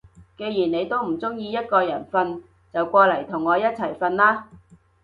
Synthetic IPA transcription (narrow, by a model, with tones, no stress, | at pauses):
ke˧jjiː˨˩nne˨˧jt̪o˥wm̩˨˩t͡sʊ˥ŋjiː˧jɐ˥t̚kɔː˧jɐ˨˩nfɐ˧n | t͡sɐ˨wkʷɔː˧lɐ˨˩jt̪ʰʊ˨˩ŋːɔː˨˧jɐ˥t̚t͡sʰɐ˨˩jfɐ˧nlaː˥